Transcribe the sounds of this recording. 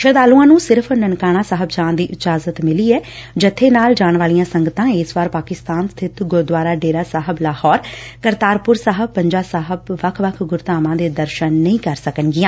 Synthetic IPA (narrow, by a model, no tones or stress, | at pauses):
ʃəd̪aːlũːãːnũːsɪɾpʰnənkaːɽ̃aːsaːɦəbt͡ʃãːnd̪iːʔɪt͡ʃaːzət̪mɪliːɛːd͡ʒət̪ʰːeːnaːld͡ʒaːɳ̃ʋaːlijãːsəŋɡət̪ãːeːsʋaːɾpaːkɪst̪aːnst̪ʰɪt̪ɡʊɾd̪ʋaːɾaːɖeːɾaːsaːɦəblaːhɔːɾkəɾt̪aːɾpʊɾsaːɦəb̚ːəɲd͡ʒaːsaːɦəbʋəkʰʋəkʰɡʊɾt̪aːmãːd̪eːd̪əɾʃənːəĩːkəɾsəkənɡɪjãː